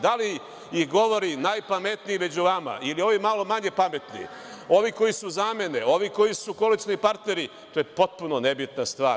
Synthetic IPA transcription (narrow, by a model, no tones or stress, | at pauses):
d̪ali | iɡo̞ʋo̞ɾinaːjpame̞t̪nijime̞d͡ʑuʋama̰ʔilio̞ʋimalo̞maɲe̞pamet̪nḭ | o̞ʋiko̞jisuzame̞neo̞ʋiko̞jisuko̞lit͡ʃnipaɾt̪ne̞ɾi | t̪oːjepo̞t̪̚puno̞ne̞bit̪nast̪ʋaː